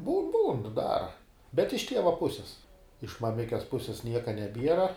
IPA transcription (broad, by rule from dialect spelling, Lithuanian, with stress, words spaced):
buːn buːn ˈdɑːrɐ bʲɛt ɪʃ ˈtʲiɛʋɐ ˈpʊsʲɪs ɪʃ mɐˈmʲɪkʲɛs ˈpʊsʲeːs ˈnʲiɛkɐ nʲɛˈbʲiɛrɐ